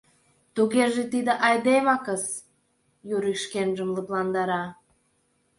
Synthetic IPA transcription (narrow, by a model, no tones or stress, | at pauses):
t̪uɣerʒet̪id̪ə̆ʔɑjd̪emɑkəs | juɾikʃkenʒəmləplˠɑnd̪ɑɾɑ